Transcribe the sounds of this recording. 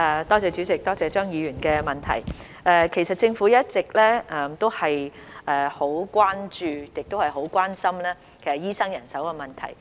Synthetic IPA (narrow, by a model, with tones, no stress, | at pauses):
ɛ˨t̪ɔː˥t͡sɛː˨˧t͡ʃy˨˥t͡sɪ˨k̚t̪ɔː˥t͡sɛː˧t͡ʃœː˥ŋjiː˨˧jyː˨˩nkɛː˧mɐ˨nt̪ʰɐ̰˨˩j | ʔɛː˨˧kʰe˨˩jsɐ˨t̚t͡sɪ˧ŋfu˨˥jɐ˥t̚t͡sɪ˨k̚lɛː˥ʔɛː˨˩mt̪o˥whɐ˨jʔɛː˨˩ho˨˥wkʷwaː˥nt͡ʃyː˨˧jɪ˨k̚t̪o˥whɐ˨jɦo˨˥wkʷaː˥nsɐ˥mlaː˥ | kʰe˨˩sɐ˨˩jiː˥sɐ˥ŋjɐ˨˩nsɐ˨˥wkɛː˧mɐ˨nt̪ʰɐ̰˨˩j